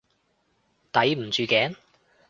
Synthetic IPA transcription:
t̪ɐ˨˥jm̩˨˩t͡ʃyː˨kɛː˨˥n

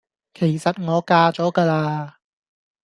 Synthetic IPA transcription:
kʰe˨˩jsɐ˨t̚ŋɔː˨˧kaː˧t͡ʃɔː˨˥kaː˧laː˧

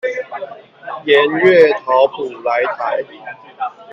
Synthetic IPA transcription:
jɛ˨˦nɥɛ˥˨t̪ʰɑ˨˧˦ʊpʰu˨˩la˨˦ɪt̪ʰa˨˦ɪ˨

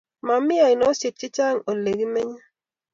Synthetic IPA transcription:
ma˨mɪ˦a˨i˨no˨˦se˨t̚t͡ʃɪ˦t͡ʃa˦ŋo˨le˨ɡi˦mɛ˦ɲa˦

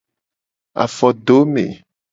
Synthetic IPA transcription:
a̰˨fɔ˨ɖo˦mḛ˨

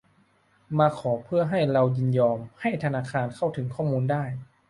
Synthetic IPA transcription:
maː˧kʰɔː˩˦pʰɯ˥˩ɐɦa˥˩jɾa˧wjɯ˧njɔː˧mha˥˩jt̪ʰa˧naː˧kʰaː˧nkʰa˥˩wt̪ʰɯ˩˦ŋkʰɔː˥˩muː˧ndaː˥˩j

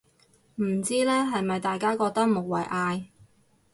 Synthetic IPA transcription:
m̩˨˩t͡siː˥lɛː˥ɦɐ˨jmɐ˨jt̪aː˨jkaː˥kɔː˧k̚t̪ɐ˥k̚mo˨˩wwɐ̰˨jʔaː˧j

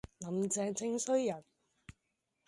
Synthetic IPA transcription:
lɐ˨˧mt͡sɛː˧t͡sʰɪ˥ŋsɵ˥ɥjɐ˨˩n

